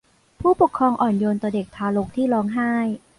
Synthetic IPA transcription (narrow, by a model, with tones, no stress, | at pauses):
pʰuː˥˩po˨˩kʰːɾɔː˧ŋʔɔː˨˩njoː˧nt̪ɔː˨˩de˨˩k̚t̪ʰaː˧lo˦˥k̚t̪ʰiː˥˩lɔː˦ŋɦaː˥˩j